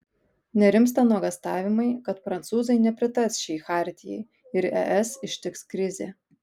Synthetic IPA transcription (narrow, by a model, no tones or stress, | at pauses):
nʲɛɾʲɪmst̪ɐnuɔɡɐst̪ɑːʋʲɪmɐɪkɐt̪pɾɐnt̪suːzɐɪnʲɛpʲɾʲɪt̪ɐsʃʲɛːxɑːɾʲt̪ʲɪjɛ̰ɪ | ɪɾɛ̰ʔɛsɪʃʲt̪ʲɪkskɾʲɪzʲḛ